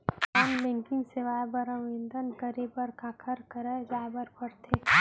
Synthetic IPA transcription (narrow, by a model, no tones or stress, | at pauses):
aːmbɛ̃ŋkɪ̃ŋɡseʋaːbəɾəʋẽnd̪ənkəɾepəɾkãːkʰəɾkəɾəd͡ʒaːbəɾpəɾt̪ʰe